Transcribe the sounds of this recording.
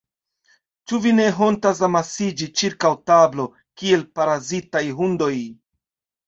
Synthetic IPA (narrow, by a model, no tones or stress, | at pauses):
t͡ʃuvine̞ɦo̞ntas̬amasid͡ʒit͡ʃiɾkawtablo̞ | kie̞lpaɾazitajɦundo̞j